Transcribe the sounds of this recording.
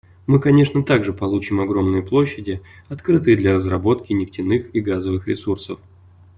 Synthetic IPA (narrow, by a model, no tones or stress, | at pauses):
mɨkɐnʲe̞ʂnət̪aɡʐɨpɐlˠut͡ɕɪmɐɡɾo̞mnɨjəplˠoɕːɪdʲɪɐt̪kɾɨt̪ɨjəd̪lʲɐɾəzrɐbo̞t̪kʲɪnʲɪftʲɪnɨxiɡazəvɨxɾʲɪ̰sursəf